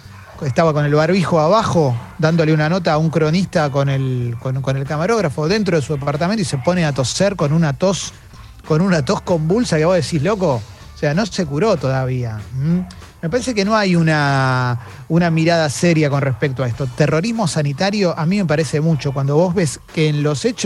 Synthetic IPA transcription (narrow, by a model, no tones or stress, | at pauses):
est̪aβako̞nelβaɾβixoaβaxo̞d̪and̪o̞leunano̞t̪̬aːuŋkɾo̞nist̪ako̞nelkonko̞ne̞lkamaɾo̞ɣɾafo̞ðe̞nt̪ɾo̞ð̞esuðepaɾt̪ament̪oise̞po̞neat̪o̞seɾko̞nunat̪os | ko̞nunat̪o̞sko̞mbulsakeβo̞ðesislo̞ko̞ | seano̞se̞kuɾo̞t̪oðaβiam̩ | me̞paɾese̞keno̞ajuna | unamiɾað̞aseɾjako̞nrespek̚t̪oaest̪o̞t̪ero̞ɾizmo̞sanit̪aɾjo̞ʔamĩme̞p̬aɾese̞mut͡ʃo̞kwand̪o̞βo̞zβe̞skeːnlo̞set͡ʃ